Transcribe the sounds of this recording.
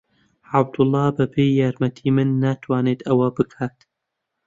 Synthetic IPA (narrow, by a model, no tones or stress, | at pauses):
ʕab̚d̪ʊlˠˤːɑːbapʰeːjaːɾmɐt̪ʰiːmɨnːat̪ʰwaːneːt̪ɐwɐbɨkʰaːt̪